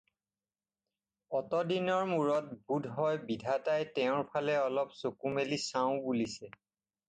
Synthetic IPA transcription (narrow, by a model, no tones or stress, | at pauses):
ɔtɔdinɔɹmuɹɔt̚budʱɦɔjbidʱatajtɛʊ̃ɹpʰalɛɔlɔpsokumelisaʊ̃bulisɛ